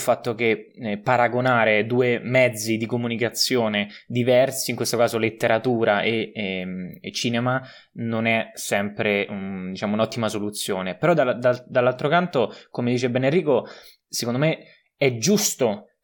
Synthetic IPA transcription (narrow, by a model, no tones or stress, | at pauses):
lfat̪ːok̟epːaɾaɡonaːɾed̪uːemɛd̪zːid̪ikomunikat̪sjoːned̪ivɛrsiːŋkwest̪okaːzolet̪ːeɾat̪uːɾaʔe | t͡ʃːiːnema | nonɛsɛmpɾeud̪it͡ʃaːmounɔt̪ːimasolut̪sːjoːnepeɾɔd̪ad̪ad̪alːalt̪ɾokant̪okomed̪iːt͡ʃebenerːiːko | sekond̪ome | ɛd͡ʒːust̪o